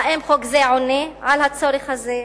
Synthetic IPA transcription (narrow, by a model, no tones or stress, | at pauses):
ʔemχoɡzeʕonːiʕalhat͡sːoɾixaze